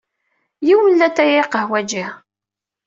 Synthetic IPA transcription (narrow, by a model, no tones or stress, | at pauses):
jiwəlːæt̪ːæjiqəhwæd͡ʒih